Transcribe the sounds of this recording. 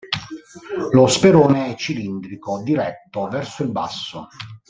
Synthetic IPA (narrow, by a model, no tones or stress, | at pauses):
lospeɾoːneɛt͡ʃːilind̪ɾikod̪iɾɛt̪ːovɛrsoilba̰sːo